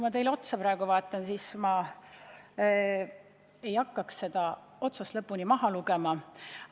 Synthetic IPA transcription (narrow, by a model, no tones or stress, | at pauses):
mɑt̪e̞jleo̞t̪sɑpɾɑˑeɡ̥uvɑːt̪ːˑɑnsiːsmɑ | e̞jɑkːɑksse̞d̪̥ɑ | o̞t̪sust̪lɤpːˑunimɑɦɑluɡ̥e̞mɑ